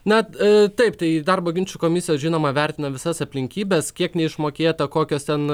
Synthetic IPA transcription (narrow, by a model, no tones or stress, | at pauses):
nɐt̪ɐɪp̚t̪ɐɪd̪ɐrboːɡʲɪnʲt͡ʃʲukoːmʲɪsʲɪjɛːsʒʲiːnoːmɐʋʲɛɾʲt̪ʲɪnɐʋʲɪsɐsɐpʲlʲɪŋʲkʲiːbʲɛskʲiɛknʲɛɪʃmoːkʲeːt̪ɐkoːkʲoːst̪ʲɛn